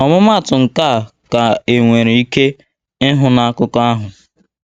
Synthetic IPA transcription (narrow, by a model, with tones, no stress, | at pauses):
ɔ˨mʊ˦ma˦˨tʊ˨ŋ̩˨ka˦˨ka˨e˨ŋʷe˨ɾe˨i˦ke˦ | ɪ˦ɦʊ˨na˨a˦kʊ˦ka˦ɦʊ˨